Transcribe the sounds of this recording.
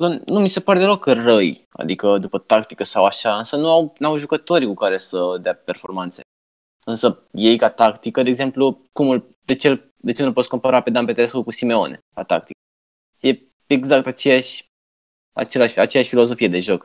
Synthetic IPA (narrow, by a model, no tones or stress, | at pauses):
kənumise̞paɾe̞d̪elo̞krəja̰d̪ikəd̪upət̪ak̚t̪ikəsawaʃaɨnsənuawnawʒukət̪o̞ɾʲkukaɾe̞səd̪eape̞rfo̞̰rmant̪se̞̥̰ | ɨnsə | je̞jkat̪akt̪ikəd̪eːɡze̞mplukumul | d̪e̞t͡ʃel | d̪e̞t͡ʃe̞nulposko̞mpaɾaped̪ampet̪eɾeskulkusime̞o̞ne̞̰kat̪a̰k̚t̪ikə | je̞ | eɡzak̚t̪at͡ʃe̞jaʃʲ | a̰t͡ʃe̞laʃʲa̰t͡ʃejaʃʲfilo̞zo̞fije̞d̪e̞ʒo̞k